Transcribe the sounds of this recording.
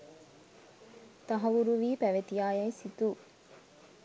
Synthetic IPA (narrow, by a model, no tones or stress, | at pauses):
t̪ɐɦɐʋuɾuʋiːpæʋet̪ijaːjɐjsit̪uː